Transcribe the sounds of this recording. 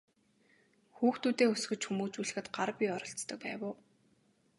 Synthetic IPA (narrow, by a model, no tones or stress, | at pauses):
xuːxt̪uːt̪eːɵs̆xɵ̆t͡ɕxumuːt͡ɕuɮɘ̆xɘ̆t̪ɢarpʲiɔɾɞ̆ɬt͡st̪ɞ̆k̚pæːwʊː